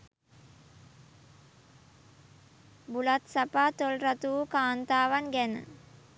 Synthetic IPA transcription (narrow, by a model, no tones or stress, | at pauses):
bulɐt̪sɐpat̪olrɐt̪uːkaːnt̪aːʋɐnɡɛnə̰